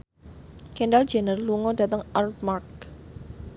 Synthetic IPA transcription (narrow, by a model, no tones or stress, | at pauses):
kɛndald͡ʒɛnərluŋɔdat̪əŋʔart̪̚mark̚